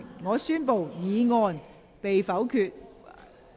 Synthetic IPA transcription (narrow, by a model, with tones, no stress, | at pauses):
ŋɔː˨˧syː˥npo˨wjiː˨˧ŋɔː˧n | pe˨jfɐ˨˥wkʰyː˧t̚